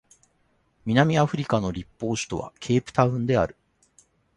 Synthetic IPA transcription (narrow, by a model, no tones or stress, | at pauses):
mʲinamʲiaɸɯ̟ɾʲikano̞ɾʲipːo̞ːɕi̥t̪o̞βa̰kʲʰe̞ːpɯ̟̥t̪aɯ̟̃nd̪e̞a̰ɾɯ̟